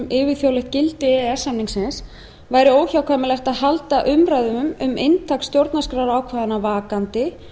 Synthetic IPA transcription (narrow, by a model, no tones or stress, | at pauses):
mɪːvɪθjowlɛht̪̚cɪlt̪ɪɛɛsamniŋksɪns | vaːjɾɪoːwçawkʰvajmɪlɛxt̪aðhalt̪aʔʏmɾajðʏmʏmʏmejnt̪ʰakst̪jowɾt̪naskɾaɾaːwkʰvaːðanavaːkant̪ɪ